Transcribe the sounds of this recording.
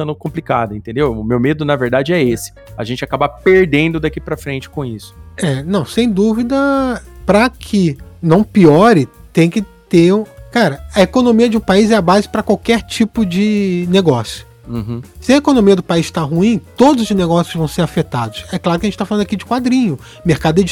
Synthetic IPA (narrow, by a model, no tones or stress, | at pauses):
t̪ɐ̃nd̪ʊkõmplika̰d̪ɐẽt̪ẽnd̪ewʊmewmed̪ʊnɐveɾd̪ad͡ʒɪɛesɪ̥ | ɐ̰ʒẽnt͡ʃɪakabapeɾd̪ẽnd̪ʊd̪akipɾɐfɾẽnt͡ʃɪ̥kõisʊ̥ɛnɐ̃w̃sẽj̃d̪uvid̪ɐpɾɐkʰɪnɐ̃w̃piɔɾɪt̪ẽj̃kɪt̪eɾ̃kaɾɐɐekonõmiɐd͡ʒɪũpaizɛɐbazɪpɾɐkwawkɛɾt͡ʃipʊd͡ʒɪneɡɔsjʊ̥ | sɪɐekonõmiɐd̪ʊpaiʃt̪aɦuĩt̪od̪ʊzd͡ʒɪneɡɔsjʊzvɐ̃w̃seɾafet̪ad̪ʊsɛklˠaɾʊkɪɐʒẽt͡ʃɪt̪aflɐ̃nd̪akid͡ʒɪkwad̪ɾĩɲʊ | meɾkad̪ʊɛd͡ʒ